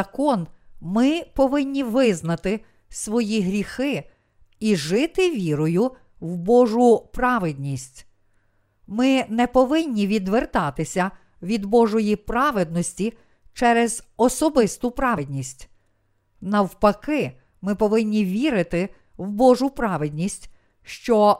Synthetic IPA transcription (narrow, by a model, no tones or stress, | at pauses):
ɐkɔnmɪpɔʋɪnʲːiʋɪznɐt̪ɪ | sʋɔjiɦɾʲixɪ | iʒɪt̪ɪʋʲiɾɔjʊ | wbɔʒʊpɾɑʋɪd̪ʲnʲisʲtʲ | mɪnɛpɔʋɪnʲːiʋʲid̪ʋert̪ɑt̪ɪsʲɐ | ʋʲid̪bɔʒɔjipɾɑʋed̪nɔsʲtʲi | t͡ʃɛɾɛz̥ɔsɔbɪst̪ʊpɾɑʋedʲnʲisʲtʲ | nɐwpɐkɪ | mɪpɔʋɪnʲːiʋʲiɾɪt̪ɪ | wbɔʒʊpɾɑʋed̪ʲnʲisʲtʲ | ʃt͡ʃɔ